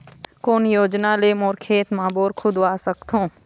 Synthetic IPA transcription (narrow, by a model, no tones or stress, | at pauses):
koːnjoːd͡ʒnaleːmoːɾkʰeːt̪maːboːɾkʰʊd̪ʋaːsəkt̪ʰõː